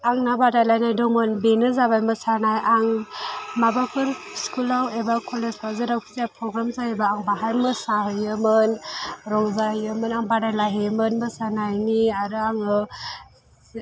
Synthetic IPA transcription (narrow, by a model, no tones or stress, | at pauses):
aŋnabadajlajnajdɔmɯnbenɯzabajmɯsanajʔaŋmabapʰɯɾskulawebakʰɔleslawzɯɾawkʰi̥ziapʰɾɔɡɾamzaebaːŋbaɦajmɯsaɦɯjɯmɯnɾɔŋzahɯjɯmɯnaŋbadajlaɦemɯnmɯsanajniaɾɯaŋɯ